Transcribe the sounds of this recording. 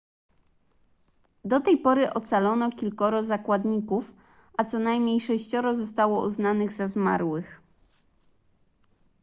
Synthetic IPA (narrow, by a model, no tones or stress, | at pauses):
d̪ɔt̪ɛjpɔɾɘʔɔt̪salɔnɔkʲilkɔɾɔzakwad̪ɲikuf | ʔat̪sɔnajmɲejʂɛɕt͡ɕɔɾɔzɔst̪awɔʔuznanɘɣzazma̰ɾwɘx